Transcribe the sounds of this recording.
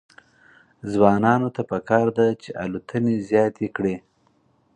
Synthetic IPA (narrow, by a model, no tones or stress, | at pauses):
zwɑnɑnot̪apəkɑɾd̪at͡ʃeʔa̰lut̪ʰənezjɑt̪ekɽe